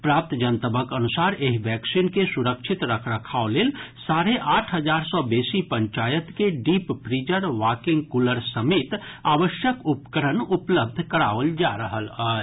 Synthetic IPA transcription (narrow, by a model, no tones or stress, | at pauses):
pɾaːp̚t̪d͡ʒənt̪əbʱəkənʊsaːɾeɦʋɛːksiːnkesʊɾəkʃʰɪt̪ɾəkʰɾəkʰaːoleːlsaːɾeʔaːʈʰɦəd͡ʒaːɾsɔbeːsipə̃ɲt͡ʃaːjət̪keɖiːppɾiːd͡ʒəɾʋaːkɪ̃ŋɡkuləɾsəmeːt̪aːʋəʃjəkʊpkəɾənʊpləb̚d̪ʱkəɾa̰ːʋəld͡ʒaɾəɦələ